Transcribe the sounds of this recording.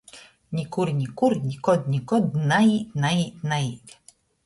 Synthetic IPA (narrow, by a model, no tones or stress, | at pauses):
nʲikuɾnʲikuɾnʲikɔd̪̚nʲikɔd̪nainainajid̪ʲ